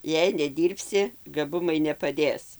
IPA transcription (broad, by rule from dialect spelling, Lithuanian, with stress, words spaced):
jɛɪ nʲɛˈdʲiːrʲpʲsʲɪ ɡɐˈbʊmɐɪ nʲɛpɐˈdʲeːs